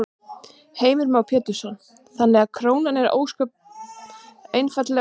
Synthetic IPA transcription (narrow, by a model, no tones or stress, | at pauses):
heːjmɪɾmaːwpʰjɛːt̪ʏɾ̥sɔn | θanːɛɣaðkʰɾoːwnanɛɾo̰ːwskʏ | ejnfat̪lɛ